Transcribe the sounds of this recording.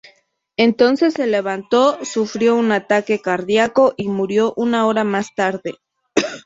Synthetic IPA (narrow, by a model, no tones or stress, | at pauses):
e̞nt̪o̞nse̞sːe̞le̞βant̪o̞sufɾjo̞unat̪ake̞kaɾðjako̞ʔimuɾjo̞ʔunao̞ɾamast̪aɾðe̞